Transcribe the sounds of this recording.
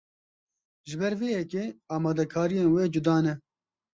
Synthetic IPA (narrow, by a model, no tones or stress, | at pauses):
ʒɪbɛɾveːjɛkeːɑːmɑːd̪ɛkʰaːɾijeːnweːd͡ʒʊd̪ɑːnɛ